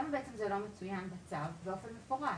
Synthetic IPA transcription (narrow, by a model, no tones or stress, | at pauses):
mabeʔet͡semzelomet͡sujanbat͡savːeo̞fenmefoʁa